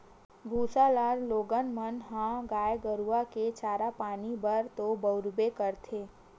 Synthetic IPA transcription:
bʱuːsalaːɾloːɡənmənɦãɡaːjɡəɾuaket͡ʃaːɾapaːnibəɾt̪obəʊɾbekəɾt̪ʰeː

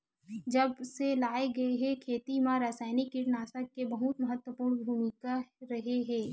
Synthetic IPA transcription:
d͡ʒɐbselaːeɡɐeɦɛ̃kʰeːt̪imãɾaːsaːɪnɪkːiʈnaːsəkːebɐɦʊt̪mɐɦət̪wəpuːɾnbʱuːmɪkaɾɐɦeɦɛ̃ː

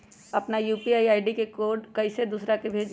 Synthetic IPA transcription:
ɐpnajuːpiaːiaːɪɖikekoːɖkɐised̪uːsɾakebʱeːd͡ʒ

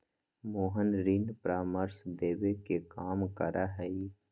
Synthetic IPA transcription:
moːɦənɾiːnpɾaːməɾsd̪eːʋekekaːmkə̰ɾʔaɦɛi

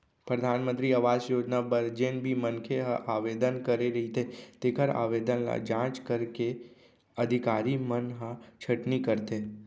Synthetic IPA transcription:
pɾəd̪ʱaːnmənt̪ɾiəʋaːd͡ʒjoːd͡ʒnabəɾd͡ʒenbʱimənkʰeɦəʔaʋed̪ənkəɾeɾəɦit̪ʰet̪ekʰəɾa̰ʋed̪ənla̰d͡ʒãːt͡ʃkəɾke | əd̪ʱikaːɾimənɦə̃t͡ʃʰəʈnikəɾt̪e

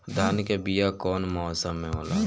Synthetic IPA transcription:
d̪ʱaːnkebijakɔːnmɔːsəmɦẽɦoːla̰ː

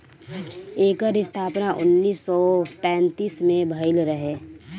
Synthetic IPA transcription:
eːkəɾɪst̪ʰaːpnaʔʊ̰nːiːsːɔpɛ̃ːnt̪iːsmẽbʱəɪlɾəɦe

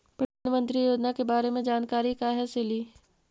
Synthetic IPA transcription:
pɾɐd̪ʱaːnəmə̃nt̪ɾijoːd͡ʒnakebaːɾemẽd͡ʒaːnkaːɾikaːɦeseliː

